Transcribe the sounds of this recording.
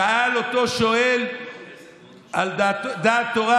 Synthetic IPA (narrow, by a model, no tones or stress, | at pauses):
aalot̪o̞ʃoel | alad̪aːt̪ːoʁa